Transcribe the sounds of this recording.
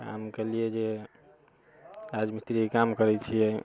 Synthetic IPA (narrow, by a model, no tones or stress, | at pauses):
a̰mkɛlijed͡ʒe | ɾad͡ʒmit̪ɾikamkəɾɛt͡ʃʰiɛ